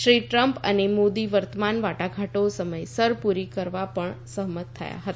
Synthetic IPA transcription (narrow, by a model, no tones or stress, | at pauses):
ʃɾiʈɾəmpə̰nemod̪iʋəɾt̪əmanʋaʈaɡʱaʈosəməjsəɾpuɾikəɾʋapəɳsəɦmət̪ʰːə̰ja̰ɦət̪aa